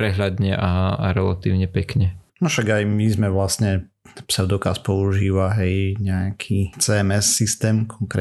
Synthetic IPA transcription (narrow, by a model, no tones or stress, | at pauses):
ɾɛɦlad̪ɲɛʔaa̰ɾɛlat̪iːʊɲɛpɛkɲɛnɔʃaɡajmizmɛʋlasɲɛ | psad̪ɔkaspɔuʒiːʋaɦɛjɲɛakʰit͡sɛɛmɛsːist̪ɛːmkʰɔŋkɾɛ